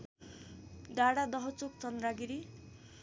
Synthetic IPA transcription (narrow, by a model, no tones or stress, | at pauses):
daɽad̪ʌɦʌt͡sok̚t͡sʌnd̪raɡiɾi